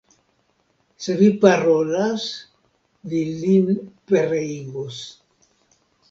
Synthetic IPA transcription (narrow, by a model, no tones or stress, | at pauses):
sevipaɾolas | dilinpeɾeiɣos